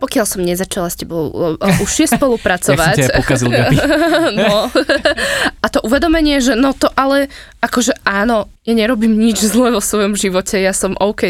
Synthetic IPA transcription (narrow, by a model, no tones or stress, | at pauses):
pɔkɪalsɔmɲɛzat͡ʃalascɛbɔuʃːɪɛspɔlupɾat͡sɔʋacz | nɔ | ʔat̪ɔʔuʋɛd̪ɔmɛɲɪɛʒɛnɔt̪ɔʔalɛ | ʔakɔʒɛʔaːnɔ | jaɲɛɾɔbiːmɲid͡ʒzlɛʋɔsʋɔjɔmʒiʋɔcɛjasɔmʔɔʊkɛ